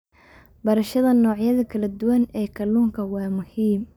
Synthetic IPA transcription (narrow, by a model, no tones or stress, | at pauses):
bɐɾɐʃɐðɐnɔːʕjɐðɐkʰɐlɐd̪ʊwɐnɛːkʰɐluːŋkʰɐwɑːmʊhiːm